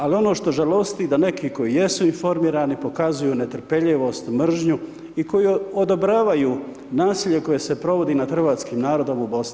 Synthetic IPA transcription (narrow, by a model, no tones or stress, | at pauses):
alio̞no̞ːʃt̪o̞ʒalo̞st̪id̪ane̞kiko̞jije̞suinfo̞ɾmiːɾaːnipo̞kazujuːne̞t̪̩pe̞ʎeʋo̞ːst̪mr̩ʒɲu | iko̞jiod̪obɾaːʋajuː | naːsiːʎe̞ko̞je̞se̞pɾo̞ʋo̞d̪inad̪xr̩ʋaːt̪skiːmnaːɾo̞d̪o̞mubo̞sni